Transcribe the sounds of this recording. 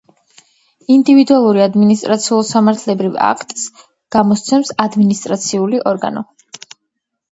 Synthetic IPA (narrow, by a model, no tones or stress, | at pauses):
ind̪ivid̪ualˠuɾiad̪minis̬t̪ʼɾat̪sʰiulˠsamaɾt̪ʰlɛbɾiva̰kʰt̪ʼs | ɡ̥amɔst̪sʰɛmsad̪minist̪ʼɾat̪sʰiuliʔɔɾɡa̰nɔ